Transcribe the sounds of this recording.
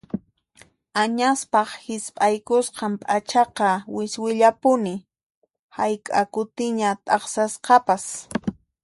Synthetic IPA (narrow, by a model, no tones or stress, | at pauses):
aɲaspɑχhɪspʼajkʊsqɑmpʼat͡ʃɑqɑwɪswɪʎapʊnɪ | hajkʼa̰kʊt̪ɪɲat̪ʼɑχsasqɑpas